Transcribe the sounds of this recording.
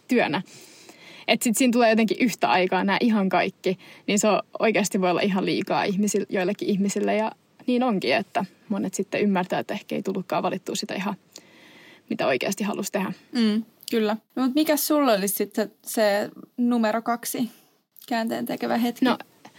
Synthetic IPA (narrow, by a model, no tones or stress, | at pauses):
t̪yønæ | et̪sit̪siːnt̪uleːjot̪eŋkiʔyht̪æɑikɑːnæːʔiɦɑŋkɑikːiniːnseoo̰ikeːst̪iʋoijolːɑ̰ʔiɦɑllḭːkɑ̰ːihmisiljoilːekːiihmisilːejɑ | niːnoŋkiet̪ːæ | monet̪sit̪ːeymːært̪æːt̪ːæehkḛit̪ulːukːɑ̰ːʋɑlit̪ːuːsit̪æ̰ihɑ | mit̪æoikḛːst̪ihɑ̰lust̪ehæm̩ː | kylːæmut̪mikæssulːolissit̪sesenumeɾokɑksi | kæːnt̪ḛːnt̪ekeʋæɦet̪knoḭ